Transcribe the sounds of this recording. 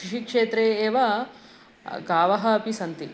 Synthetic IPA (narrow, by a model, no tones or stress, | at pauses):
iʃikʂeːt̪ɾeːeːʋa | ɡaːʋɐɦɐːpisɐnt̪i